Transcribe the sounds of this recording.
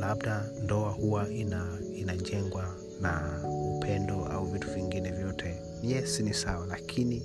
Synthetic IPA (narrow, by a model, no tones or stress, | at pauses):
labdandɔahuwaina | inad͡ʒɛŋɡwa | naupʰɛndɔa̰uvituviŋɡinɛvjɔtʰɛ | jɛsinisawalakʰini